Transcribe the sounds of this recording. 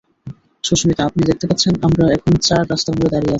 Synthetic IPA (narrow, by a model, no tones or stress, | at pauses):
ʃoʃmit̪aapnid̪ek̚t̪epat̪ːɕʰenamɾaɛkʰont͡ɕaɾɾast̪abuled̪aɾijeat͡ɕʰi